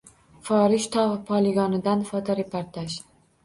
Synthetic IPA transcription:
fɒɾɪʃt̪ʰɒʁpʰɒlˠɪɡɒnɪd̪anfɒt̪ʰɒɾepʰoɾt̪ʰaʒ

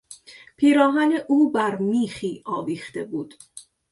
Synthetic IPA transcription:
pʰiːɾɒːɣæneʔuːbæɾmiːxiːʔɒːviːxt̪e̞buːd̪̥

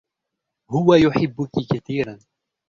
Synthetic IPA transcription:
hʊwajʊħɪbːʊkɪkaθiːɾan

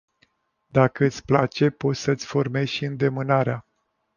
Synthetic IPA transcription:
d̪akəɨt̪sʲplat͡ʃe̞po̞t̪sʲsəɨt̪sʲfo̞rme̞zʃiɨnd̪e̞mɨnaɾea

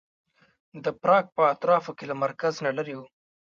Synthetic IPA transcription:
d̪əpɾɑɡ̚pəat̪ɾɑfokelamaɾkaznalaɾewu

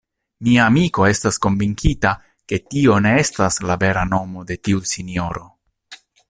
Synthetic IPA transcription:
miaːmiko̞e̞stasko̞nviŋkʰita | ke̞tio̞ne̞estaslave̞ɾano̞mo̞de̞tiusinjo̞ɾo̞

